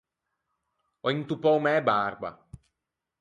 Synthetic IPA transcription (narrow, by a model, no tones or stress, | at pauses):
ɔint̪upɔwmɛbarba̰